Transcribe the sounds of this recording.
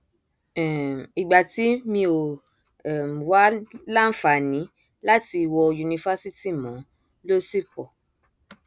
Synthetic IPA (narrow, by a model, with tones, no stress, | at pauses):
i˨ɡ͡ba˨ti˨˦mĩ˧o˨ | m˨wa˦la˦fa˨nĩ˨˦ | la˦ti˧wɔ˧ju˧nĩ˧fa˦si˦ti˦mɔ̃˨˦ | lo˦si˦˨k͡pɔ˨